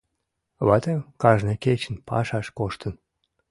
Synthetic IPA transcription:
βɑt̪əkɑʒneket͡ɕənpʰɑ̰ʃɑʃkoʃt̪ən

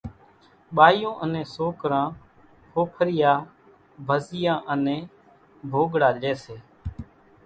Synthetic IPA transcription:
ɓaːijõːʔənẽːsoːkɾãː | kʰoːpʰəɾɪjaː | bʱəzɪjãːʔənẽː | bʱoːɡɽaːlɛːseː

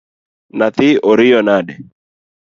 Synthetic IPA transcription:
nat̪ɪɔɾɪjɔnadɛ

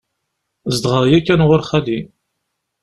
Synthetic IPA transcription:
zd̪ʁəðˤjækːænʁʊɾχæli

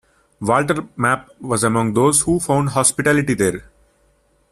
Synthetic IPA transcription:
ʋɔːlʈəɾmæːp̚ʋɔːzəmʌ̃ŋɡ̚d̪oːzhuːfãʊ̃ɳɖɦɔːspɪʈælɪʈid̪eːɾ

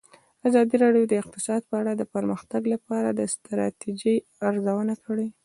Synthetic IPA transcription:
azɑd̪iɾɑɖjod̪əɪq̚t̪ɪsɑd̪̚pəaɽad̪əpəɾməxt̪aɡlapɑɾad̪əst̪ɾɑt̪id͡ʒij | aɾzawənakəɽi

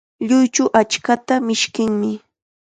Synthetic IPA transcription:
ʎʊjt͡ʃʊʔat͡ʃkat̪amɪʃkɪŋmɪ

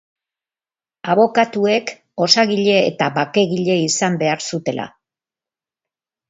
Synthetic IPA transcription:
aβo̞kat̪ue̞k | o̞saɣiʎe̞ːt̪aβake̞ɣiʎe̞isambe̞aɾsut̪e̞la̰

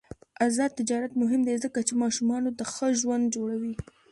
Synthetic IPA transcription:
ʔazɑd̪̚t̪ɪd͡ʒɑɾat̪mʊɦɪmd̪ezəkat͡ʃemɑʃumɑnod̪əxəʒwand̪̚d͡ʒoɽawi

